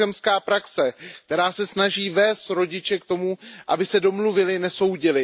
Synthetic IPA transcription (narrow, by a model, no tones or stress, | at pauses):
ɛmskaːpɾaksɛkt̪ɛɾaːsɛsnaʒiːvɛːst̪ɾo̞ɟɪt͡ʃɛkt̪o̞muʔabɪsɛdo̞mluvɪlɪnɛso̞wɟɪlɪ